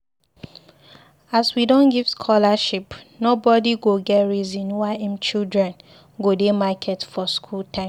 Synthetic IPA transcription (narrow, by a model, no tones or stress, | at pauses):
aswidɔ̃nɡiv̥skʰɔlaʃipnobɔdiɡoɡɛtɹizĩnwaɪɛ̃mt͡ʃildɹɛ̃n | ɡodemakʰɛtfɔskʰultʰãɪ̃m